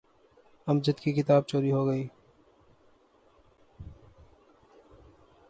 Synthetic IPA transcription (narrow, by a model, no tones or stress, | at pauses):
ɐmd͡ʒət̪kikɪt̪aːb̚t͡ʃoːɾiɦoɡəiː